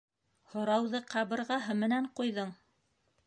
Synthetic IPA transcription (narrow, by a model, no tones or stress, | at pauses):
hŏɾɑwðɤqɑβɤ̆ɾʁɑɦɤmɘ̆næɴqujðɤɴ